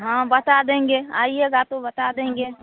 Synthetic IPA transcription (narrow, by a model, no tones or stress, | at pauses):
ɦãbət̪ad̪ẽːŋɡeːa̰ːieɡaːt̪õbət̪ad̪ẽːŋ̆ɡeː